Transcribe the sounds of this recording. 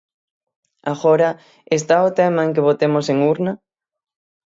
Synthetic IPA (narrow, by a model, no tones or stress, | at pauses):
aɣɔɾɐ | est̪aot̪ɛmaeŋk̬eβot̪emʊseŋuɾnɐ